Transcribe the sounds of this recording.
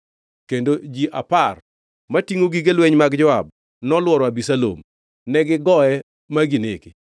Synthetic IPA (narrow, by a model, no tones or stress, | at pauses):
kendod͡ʒiʔa̰par | matiŋoɡiɡelweɲmaɡd͡ʒɔab̚ | nɔlwɔɾɔabisalo̰m | nɛɡɪɡɔɛ | maɡinḛki